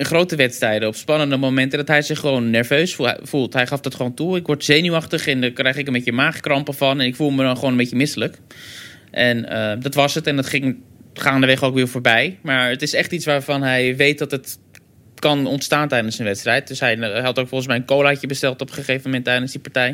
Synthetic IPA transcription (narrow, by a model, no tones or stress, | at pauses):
əχrowtəʋɛtstrɛjdəɔpspɑnəndəmowmɛntədɑtɦɛjzɪχːəʋownːɛɹvøɥsfṵfulˠtɦɛjχɑfdɑtχəʋowntuɪkʋɔɹtz̥ejnyɑχtəχɛndaːkrɛjχlɪkənbejçəmaːχkrɑmpəvɑnɛnɪkfulˠmədɑnχəʋownəbejcəmɪsələk | ʔɛnədɑtʋɑsətɛndɑtχɪŋχaːndəʋɛχowkʋɪːɹvoːɹbɛjmaːɹətɪsɛχtitsʋaːɹvɑnɦɛjʋejt̚dɑtət | kɑnɔntstaːntɛjdənsənʋɛtstrɛjt̚dɵsɦɛjɦɛlˠtowkfɔlˠχən̩smɛjənkowlaːcəbəstɛlˠtɔpχəχejvəmɛntːɛjdənzdipaɹtɛj